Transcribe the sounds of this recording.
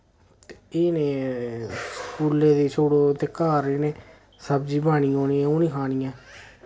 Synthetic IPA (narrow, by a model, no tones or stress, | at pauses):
t̪eeːneː | skuːleːd̪eːt͡ʃʰoːɽoːt̪eːkaːɾeːnẽː | səbd͡ʒiːbaːniːoːniːɛ̃ːoːnĩːkʰaːniːãː